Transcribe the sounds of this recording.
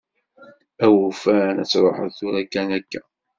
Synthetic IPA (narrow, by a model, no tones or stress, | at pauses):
æwufænæt͡sːɾˤoħəθuɾækːænækːæ